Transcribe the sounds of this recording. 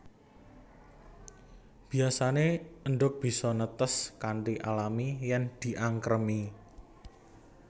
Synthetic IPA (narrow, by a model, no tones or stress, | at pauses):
b̥i̤asaneəɳɖʊk̚b̥i̤sɔnət̪əskaɳʈiʔalamijɛnd̪̥i̤ʔaŋkɾəmi